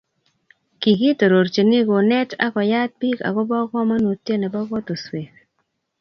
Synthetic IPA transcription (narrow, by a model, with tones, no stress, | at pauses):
ki˨ki˦to˨ɾo˨ɾt͡ʃe˨ni˦ɡo˨nɛ˦ta̰˦kɔ˨ja˦t̚bi˦ka̰˨ɡʊ˦bɔ˦ɡɔ˦ma˦no˨tje˦nɛ˨bɔ˦ɡɔ˦to˨swe˨k